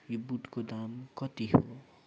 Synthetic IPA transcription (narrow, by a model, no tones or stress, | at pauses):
jibuʈkod̪amkʌt̪iɦo